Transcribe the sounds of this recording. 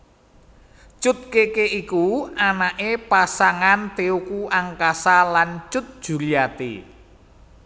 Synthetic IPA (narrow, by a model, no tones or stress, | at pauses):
t͡ʃʊt̪̚kekeʔikuanaʔepasaŋant̪eukuʔaŋkasalant͡ʃʊt̪̚d̥ʒ̥ṳlijat̪ḭ